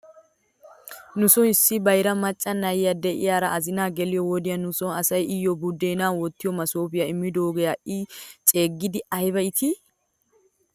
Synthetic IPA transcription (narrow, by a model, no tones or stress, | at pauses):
nʊsɔnɪsːɪbɐjɾɐmɐt͡ʃʼːɐnɐjjɐd̪ɛʔɪ̰jaːɾɐʔɐzɪnaːɡɛlɪjɔwɔd̪ɪjɐnʊsɔnɐsɐjʔɪjːɔbud̪ːeːnaːwɔt̪ːɪjɔmɐsoːbɪjɐɪmːɪd̪oːɡɛjaːʔɪt͡ʃʼe̞ːɡːɪd̪ɪɐjbɐɪt̪ʰɪ